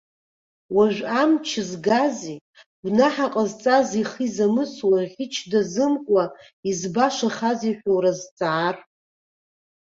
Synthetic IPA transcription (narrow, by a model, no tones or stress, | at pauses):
waʒʷᶣamt͡ʃʰɪzɡazi | ɡʷnaħaqʼazt͡sʼaziχizamɨswaʁʲɪt͡ʃʰdazɨmkʷʼa | izbaʃaχaziħʷᶣowɾazt͡sʼaːr